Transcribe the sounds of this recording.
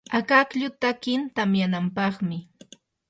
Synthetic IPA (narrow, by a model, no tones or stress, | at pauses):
akakʎʊt̪akɪnt̪amjanampɑχmɪ